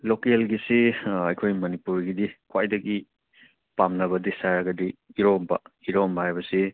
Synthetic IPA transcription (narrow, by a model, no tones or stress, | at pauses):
lokelɡisiɐjkʰojmɐnipuɾɡidikwajdɐɡi | pamnɐβɐdisaɾɐɡɐdiiɾɔmbɐ̰iɾɔmbɐhajbɐsi